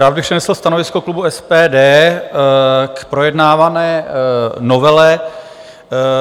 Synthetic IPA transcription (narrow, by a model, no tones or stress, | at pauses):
ɾavbɪprsɛnɛsl̩st̪anovɪskoklubuɛspɛːdɛː | kpɾo̞jɛdnaːvanɛːnovɛlɛ